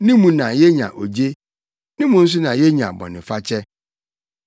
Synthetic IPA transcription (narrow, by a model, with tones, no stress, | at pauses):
nɪ̃˦mũ˨nã˨jɛ˦ɲã̰˨ʔo˨d͡ʑe˦ | nɪ̃˦mũ˨n̩˦s̬ʊ˦nã˨jɛ˦ɲã̰˨bɔ̰˨nɪ̃˨fa˦t͡ɕʰɛ˦